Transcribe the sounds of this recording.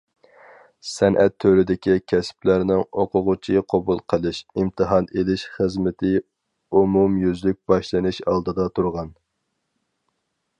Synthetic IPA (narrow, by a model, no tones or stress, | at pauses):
sɛnʔɛ̰t̪ʰːøɾɪd̪ɪkʲʰikʲʰɛsplæɾnɪŋoqʰʊʁʊt͡ʃʰiqʰɑbulˠqʰəlˠɨʃimt̪ʰɨɦɑnelɪʃχəzmɪt̪ʰɪ | umumjyzlyk̚ʲb̥ɑʃlˠɨnɨʃɑlˠd̪ɨd̪ɑt̪ʰuɾʁɑn